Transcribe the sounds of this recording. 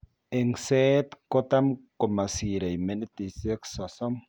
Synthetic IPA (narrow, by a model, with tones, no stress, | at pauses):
e˨ŋsɛ˦t̪kɔ˦t̪a˦mkɔ˨ma˨si˨ɾa˨jme˦n˦t̪i˨se˦ksɔ˨sɔ˦m